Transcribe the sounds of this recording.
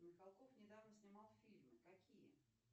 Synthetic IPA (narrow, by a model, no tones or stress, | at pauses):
mʲɪxalˠkofnʲɪd̪avnəsʲnʲɪmɑlˠfʲilʲmɨkɐkʲijə̰